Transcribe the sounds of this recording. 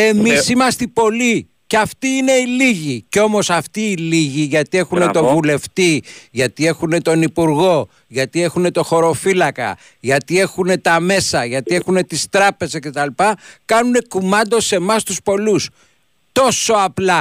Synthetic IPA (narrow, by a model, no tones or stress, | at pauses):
e̞mmisimɐst̪ipo̞li | ceɐft̪iine̞iliʝiceo̞mo̞sɐft̪iːliʝiʝɐt̪ie̞xunet̪o̞vule̞ft̪iʝɐt̪ie̞xune̞t̪o̞nipuɾɣo̞ | ʝɐt̪ie̞xune̞t̪o̞xo̞ɾo̞filɐkɐ̰ | ʝɐt̪ie̞xune̞t̪ɐme̞sɐʝɐt̪ie̞xune̞t̪ist̪ɾɐpe̞zesce̞t̪ɐlipɐkɐnune̞kumɐnd̪o̞se̞mɐst̪uspo̞lus | t̪o̞so̞ɐplɐ